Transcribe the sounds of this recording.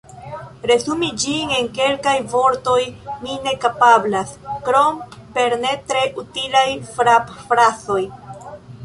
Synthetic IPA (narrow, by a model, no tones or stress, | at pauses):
ɾe̞zumid͡ʒiŋe̞ŋke̞lkajvo̞ɾto̞jmine̞kapablaskɾo̞mpe̞ɾne̞tɾe̞ʔutilajfɾapfɾaso̞j